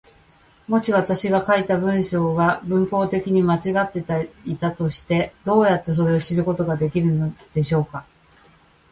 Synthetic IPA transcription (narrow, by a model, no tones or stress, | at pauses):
mo̞ɕiβat̪aɕiɡakait̪abɯ̟̃ɰ̃ɕo̞ːɡabɯ̟̃ŋko̞ːt̪e̞kʲiɲ̟imat͡ɕiɡat̪ːe̞t̪ait̪at̪o̞ɕi̥t̪e̞d̪̥o̞ːjat̪ːe̞s̬o̞ɾe̞o̞ɕiɾɯ̟ko̞t̪o̞ɡad̪e̞kʲiɾɯ̟no̞d̪̥e̞ɕo̞ːka